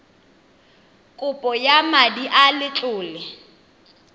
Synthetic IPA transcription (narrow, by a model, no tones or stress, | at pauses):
kʼʊpʼɔjamadiʔalɪt͡ɬʼʊːlɛ